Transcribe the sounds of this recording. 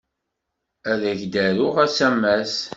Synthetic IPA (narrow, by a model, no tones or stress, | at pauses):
æðæʝd̪æɾʊʁæsæmːæs